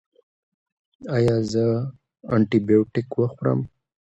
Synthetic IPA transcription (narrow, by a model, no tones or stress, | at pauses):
ajɑzə | aɳʈibijoʈɪkwəxʊɾə̰m